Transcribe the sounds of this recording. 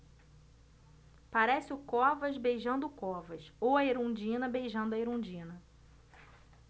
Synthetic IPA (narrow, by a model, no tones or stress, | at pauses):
paɾɛsɪʊkɔvɐzbejʒɐ̃nd̪ʊkɔvɐʃowɐeɾõd͡ʒĩnɐbejʒɐ̃nd̪ʊɐeɾõd͡ʒĩnɐ